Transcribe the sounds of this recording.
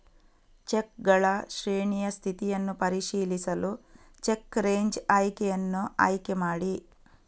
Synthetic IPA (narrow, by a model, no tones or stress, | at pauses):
t͡ʃekɡɐɭɐʃɾiːɳiːjɐst̪ʰit̪ijɐnːupɐɾiʃiːlisɐlu | t͡ʃekːɾe̞ːɲd͡ʒaːjkejɐnːuaːjkɛmaːɽi